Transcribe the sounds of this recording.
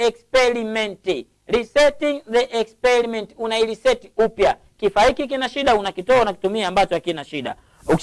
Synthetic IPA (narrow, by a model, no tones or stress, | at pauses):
ɛkspɛɾimɛnti | ɾisɛtiŋðɛʔɛkspɛɾimɛntunaiɾisɛtiupja | kifaikikinaʃiɗaunakitɔɔnaki̥tumiambat͡ʃɔakinaʃiɗa | uk